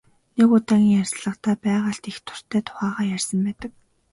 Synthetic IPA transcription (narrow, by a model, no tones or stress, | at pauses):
neɣʊːt̪ʰæŋʲiːŋjærʲsɮə̆qt̪ʰæːpæːʁaːɬt̪ixt̪ʰʊ̥r̥t̪ʰæːt̪ʰʊ̥χaːʁaːjærʲsə̆mpæːt̪ə̆k̚